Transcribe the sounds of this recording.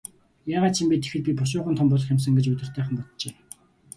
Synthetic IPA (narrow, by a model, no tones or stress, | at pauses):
jaːʁaːt̪t͡ɕʰimpʲit̪e̥xɘ̆ɮpʲipʊʃ̬ʊːχʊ̆ːnt̪ʰɔmpʊːɮə̆χjams̬ə̆ŋɡet͡ɕut̪ʲɪ̆r̥t̪æːχə̆mpɔt̪t͡ɕeː